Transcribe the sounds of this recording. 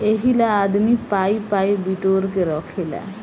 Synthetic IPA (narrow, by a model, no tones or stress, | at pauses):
eɦilaaːd̪mipaipaibiʈoːɾkeɾɔkʰela̰